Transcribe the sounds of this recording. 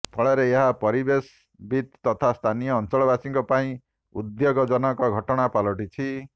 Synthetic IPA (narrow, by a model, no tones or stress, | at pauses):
pʰɔɭeɾeeɦapɔɾibes | bit̪ːɔt̪ʰast̪ʰanijɔːnt͡ʃɔɭɔbasiŋkɔpaĩ | ud̪joɡɔd͡ʒɔnɔkɔɡʱɔʈɔɽ̃apalɔʈit͡ʃʰi